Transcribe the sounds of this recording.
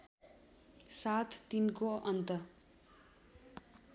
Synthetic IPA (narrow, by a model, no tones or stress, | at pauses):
sat̪ʰt̪inkoʔʌnt̪ʌ